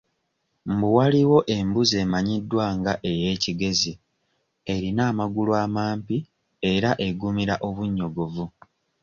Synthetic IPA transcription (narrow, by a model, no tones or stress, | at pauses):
mbuwaliwo̞ʔe̞mbuze̞ːmaɲidːwaːŋɡaʔe̞je̞ːciɡe̞zi | e̞ɾinaːmaɡuluaːmaːmpi | e̞ɾaʔe̞ɡumiɾaʔo̞βuɲːo̞ɡo̞vu